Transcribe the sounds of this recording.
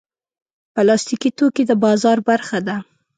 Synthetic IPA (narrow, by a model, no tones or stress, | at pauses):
pəlɑst̪ikit̪okid̪əbɑzɑɾbaɾxad̪a